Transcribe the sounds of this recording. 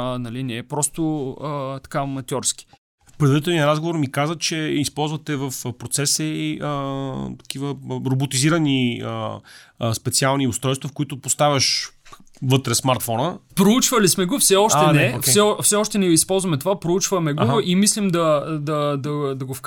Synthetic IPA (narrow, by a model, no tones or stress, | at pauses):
nɐlinɛpɾɔst̪ʊət̪ɐ̥kamɐt̪ʲjɔɾski̥ | fpɾɛd̪vəɾit̪ɛlˠniəɾazɡovoɾmikazət͡ʃɛispɔlˠzvət̪ɛvəfpɾot̪sɛsəiət̪ɐ̥k̟ivəɾobot̪iziɾəniə | spɛt̪sialˠniʊst̪ɾɔjst̪vɐfkʊit̪ʊpost̪avʲəʃ | vɤt̪ɾɛsmaɾt̪fɔnəpɾout͡ʃvəlismɛɡofsɛɔʃɛnɛokfsɛɔfsɛɔʃt̪ɛnɛispɔlˠzvɐmɛt̪ovapɾout͡ʃvɐmɛɡoimislimd̪ɐd̪ɐd̪ɐd̪ɐɡofk